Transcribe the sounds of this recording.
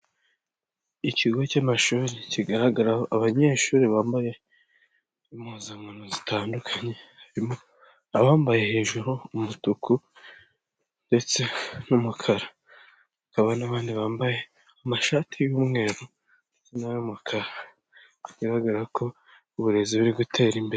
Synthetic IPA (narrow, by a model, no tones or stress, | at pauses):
iciɡo̞camaʃuːɾiciɡaɾaɡaɾahoʔaβaɲe̞ːʃuːɾiβaːmbaje̞ | imhuːzaŋanozitʰaːndukʰaɲe̞haɾimo̞ | aβaːmbaje̞he̞ːʒuɾuːmutuku | nde̞t͡se̞numukʰaɾa | akaβanaβaːndiβaːmbaje̞ | amaʃatʰijumŋe̞ːɾo | ndet͡senajumukʰaɾa | iɡaɾaɡaɾakʰo̞ | uβuɾe̞ziβuɾiɡutʰe̞ːɾimbe̞ɾe